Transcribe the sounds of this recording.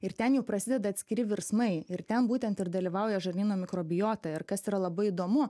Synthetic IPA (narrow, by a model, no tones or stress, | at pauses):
ɪɾt̪ʲɛnjɛʊpɾɐsʲɪd̪ʲɛd̪ɐt̪ʲsʲkʲɪɾʲɪʋʲɪɾsmɐɪɪɾt̪ʲɛnbuːt̪ʲɛnt̪ɪɾd̪ɐlʲiʋɐʊjɛʒɐɾʲnʲiːnoːmʲɪkɾoːbʲɪjoːt̪ɐɪɾkɐsiːɾɐlˠɐbɐɪɪd̪oːmʊ